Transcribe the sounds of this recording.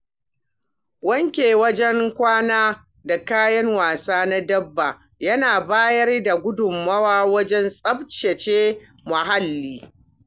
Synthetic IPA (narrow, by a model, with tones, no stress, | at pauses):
wɐ˦ŋkʲeː˨wɐ˦d͡ʒɛ˦ŋkʷaː˦naː˦ | da˨kaː˦jɐ˦ŋwaː˨saː˦na˦dɐ˦bːa˨ | jɐ˦naː˨baː˦jɐ˦rda˨ɡʷʊ˦dʊ˨mːɐ˦waː˦wɐ˦d͡ʒɛ˦nsʼɐ˦bt͡ʃe˨t͡ʃeː˦ | mʊ˨ha˦lːiː˦